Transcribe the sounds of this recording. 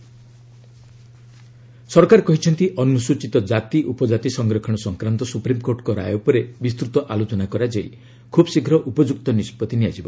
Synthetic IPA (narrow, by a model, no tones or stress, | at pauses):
sɔɾkaɾkɔɦit͡ʃʰɔnt̪iʔɔnusut͡ʃit̪ɔd͡ʒat̪iʔupɔd͡ʒat̪isɔŋɡɾɔkʰɔɽ̃ɔsɔŋkɾant̪ɔsupɾimkoɾʈkɔɾa̰jopɔɾebist̪ɾut̪ɔʔalot͡ʃɔnakɔɾad͡ʒaḭ | kʰubsiɡʱɾɔʔupɔd͡ʒuk̚t̪ɔnispɔt̪iniad͡ʒibɔ̰